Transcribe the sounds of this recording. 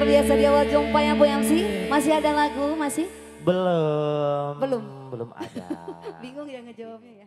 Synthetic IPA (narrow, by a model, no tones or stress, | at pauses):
rbiasadiawald͡ʒɔŋpajaŋpojaŋsɪhmasɪɦadalaɡumasɪh | bəlo | mbəlʊmbəlʊma̰ | biŋʊŋd͡ʒaŋəd͡ʒom